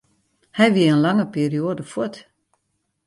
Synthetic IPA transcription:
hɛjʋiəənlaŋəpiːrioːdəfut

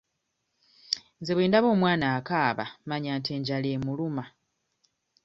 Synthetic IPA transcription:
nzeβweːndaβo̞ːmwaːnaːkaːβa̰maɲaːnteːɲɟaleːmuluma

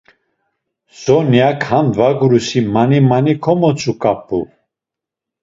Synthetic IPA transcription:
sɔnjakʰhanvaɡuɾusimanimanikʰɔmɔt͡sʼukʼapʰʼṵ

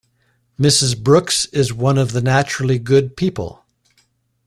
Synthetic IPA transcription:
mɪsɨzbɹʊksɪzwʌ̃nʌvðɨnæt͡ʃɹl̩ˠiɡʊd̚pʰipə̰l̩ˠ

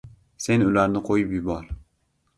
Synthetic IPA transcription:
senølæɾnɪqʰojupjubɑɾ

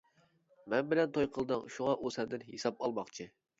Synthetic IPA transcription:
mɛnbɪlɛnt̪ʰojqʰəlˠd̪ɨŋʃuʁɑʔusɛnd̪ɪnɦesɑp̚ɑlˠmɑχt͡ʃʰɨ

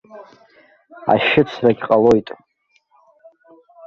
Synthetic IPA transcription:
a̰ʃɪt͡sʰraɡʲqʼalo̞jtʼ

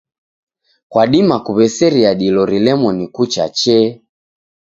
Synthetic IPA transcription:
kwaɗimakuβɛsɛɾiaɗilɔɾilɛmɔnikut͡ʃa̰t͡ʃɛ

